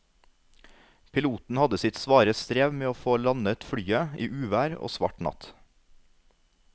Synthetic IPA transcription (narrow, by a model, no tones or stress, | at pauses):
pʰɪluːt̪n̩hɑd̪əsɪt̪sʋɑːɾəst̪ɾeːʋmeːoːfoːlɑnət̪fɽyːəʔḭːʔʉːʋæːɾo̰ːsʋɑ̰ʈnɑ̰t̪